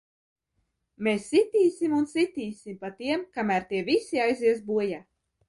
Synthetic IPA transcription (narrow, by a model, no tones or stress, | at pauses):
mesːit̪iːsimunsit̪iːsimpat̪iɛmkamæɾt̪iɛvisiajziɛs̬buɔja